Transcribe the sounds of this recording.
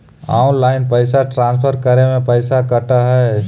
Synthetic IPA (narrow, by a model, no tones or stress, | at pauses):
a̰ːʊnlaːɪnpəɪsaʈɾãːnspʰəɾkəɾemẽpəɪsakəʈaɦɛː